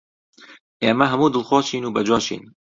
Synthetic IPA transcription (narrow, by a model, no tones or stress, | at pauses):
ʔeːmɐɦɐmuːd̪ɨlˠxoːʃiːnuːbɐd͡ʒoːʃḭːn